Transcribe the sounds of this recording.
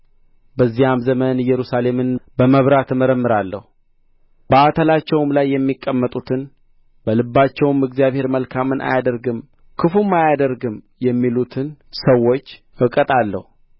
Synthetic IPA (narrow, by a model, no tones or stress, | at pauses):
bəzːijamzəmənɨjːɛɾusale̞mɨnbəməβɾat̪məɾəmːɨɾalːə̰hu | bəat̪ʰəlat͡ʃːɛwmlajːɛmːikʼːəmːət̪ʼut̪ʰɨn | bəlɨbːat͡ʃːɛwmɨɡzijaβhe̞ɾməlkʰamɨnʔa̰jad̪əɾɡɨm | kʰɨfumːajad̪əɾɡɨm | jɛmːilut̪ʰɨnsəwo̞t͡ʃː | ɨkʼət̪ʼalːə̰hu